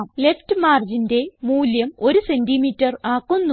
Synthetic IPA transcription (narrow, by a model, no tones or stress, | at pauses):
mleftɨmaːrd͡ʑinde̞muːljɐmo̞ɾuse̞ndimiːtːɐraːkːunː